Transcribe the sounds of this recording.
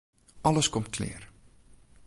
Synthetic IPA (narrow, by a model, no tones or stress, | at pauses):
ɐləskɔmtkʰlɪ̰ːr